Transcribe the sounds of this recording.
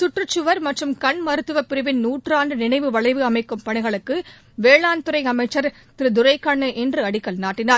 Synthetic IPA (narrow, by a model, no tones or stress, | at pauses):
sʊʈrɯt͡ʃːɯʋɐɾmɐʈrɯmkɐɳmɐɾɯt̪ːɯʋɐpɪɾɯʋɪnnuːʈraːnɖɯnɪnɐɪʋɯʋɐɭɐɪʋɯɐmɐɪkːɯmpɐɳɪɣɐɭɯkːɯ | ʋeːɭaːnt̪ʊɾɐɪɐmɐɪt͡ʃːɐɾt̪ɪɾɯd̪ʊɾɐɪkːɐɳːɯʔɛndrɯɐɽɪkːɐlnaːʈːɪnaːɾ